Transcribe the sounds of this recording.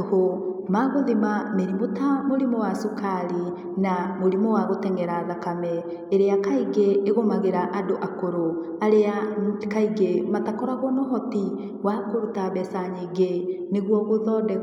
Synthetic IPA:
ohomaɣoðimameɾimotamoɾimɔwasukʰaɾi | namoɾimɔwaɣotɛŋɡɛɾaðakamɛ | eɾeakaiɣeːɣomaɣeɾaʔadoʔakoɾo | aɾeakaiɡematakɔɾaɣwɔnɔɦɔti | wakoɾutaβɛsaɲeɡe | neɣwɔɣoðɔdɛ

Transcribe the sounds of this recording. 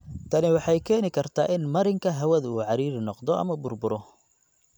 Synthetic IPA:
t̪ʰɐnɪwɑħɑjkʰɛːnɪkʰɐrt̪ʰaːʔɪnmɐɾɪŋkʰɐɦɐwɐðuːʕɑɾiːɾɪnɔqd̪ɔʔɐ̰mɐbʊrbʊɾɔ

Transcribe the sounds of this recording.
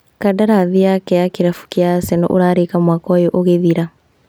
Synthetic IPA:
kadaɾaðiakɛakeɾafu̥kjasɛnɔ̰ʔo̰ɾaɾekamwakɔjoʔoɣeðiɾa

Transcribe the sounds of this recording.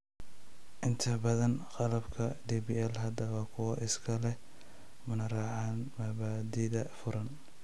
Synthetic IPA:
ʔɪnt̪ʰɐbɐðɐnqɑlɐbkʰɐdibiɛlɦɐd̪ɐwɐkʰʊwɐʔɪskʰɐlɛ | mʊnɐrɑːʕaːnmɐβaːd̪ɪðɐfʊɾɐn

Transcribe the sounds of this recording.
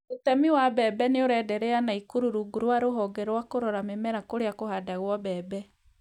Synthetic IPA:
otɛmiwabɛbɛneoɾɛdɛɾɛanaikuɾuɾuɡuɾwaɾoɦɔɡɛɾwakoɾɔɾamemɛɾakoɾeakohadaɣwɔbɛbɛ

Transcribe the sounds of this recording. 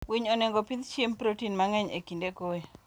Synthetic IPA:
wiɲoneŋɡɔpid̪t͡ʃjempɾotinmaŋɛɲḛkindekoe

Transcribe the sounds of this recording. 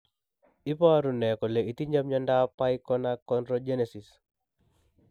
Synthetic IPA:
ipaaɾunɛkɔleʔit̪iɲamɲɔndapaikɔnakɔndɾɔd͡ʒenɛsis

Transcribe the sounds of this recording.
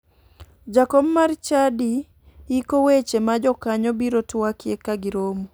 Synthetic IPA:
d͡ʒakɔbmaɾt͡ʃadi | ikowet͡ʃemad͡ʒɔkaɲɔbiɾotwakjekaɡɪɾomu

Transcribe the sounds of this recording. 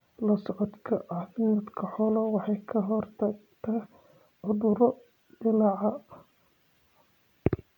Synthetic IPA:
lɐsɔʕɔd̪kʰɐʕɑːθɪmɐd̪kʰɐħɔlɐwɑħɑjkʰɐɦɔrt̪ʰɐɡt̪ʰɐ | ʕʊðʊɾɔ | dɪlɑʕɑ

